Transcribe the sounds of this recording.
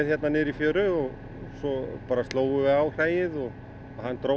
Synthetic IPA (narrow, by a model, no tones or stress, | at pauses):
ðhçɛt̪nanɪɾifjœːɾʏɔɣ | sɔpaːɾast̪loːwʏɣaːwr̥aːjɪðɔɣ | ɣɦanːt̪ɾoː